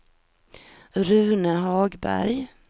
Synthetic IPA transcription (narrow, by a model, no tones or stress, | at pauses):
ɾʉ̟ːnəɦɑːɡbæ̰ɾj